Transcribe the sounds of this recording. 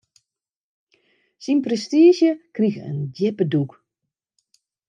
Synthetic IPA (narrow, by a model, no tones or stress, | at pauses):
sinprɛstiːʒjəkrixə̰ndɪpəduk